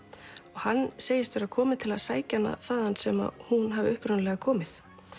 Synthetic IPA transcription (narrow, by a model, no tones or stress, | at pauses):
ɔɣhanːseːjɪst̪vɛɾakʰɔːmɪðt̪ʰɪlaðsaːjcanːa̰θaðansɛma̰hunɦavɪʏhpɾʏnlɛɣakʰɔːmɪθ